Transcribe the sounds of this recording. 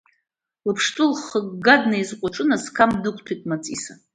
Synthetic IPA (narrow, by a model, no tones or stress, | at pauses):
lɨpʰʂtʼɨlχəɡɡadnaizqʷʼaʈ͡ʂʼɨnaskʰamdɨkʷʰʼtʰajtʼmat͡sʼisa